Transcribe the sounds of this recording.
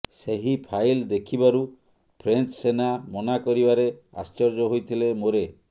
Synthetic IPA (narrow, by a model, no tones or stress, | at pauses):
seɦipʰajld̪ekʰibaɾu | pʰɾent͡ʃsenamɔnakɔɾibaɾe | a̰st͡ʃɔɾd͡ʒɔɦojt̪ʰilemoɾe